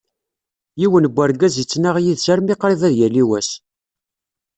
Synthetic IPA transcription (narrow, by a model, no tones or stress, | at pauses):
jiwənbʷːæɾɡæzjət͡sːnaʁjiðsæɾmiqɾiðæðjæliwæs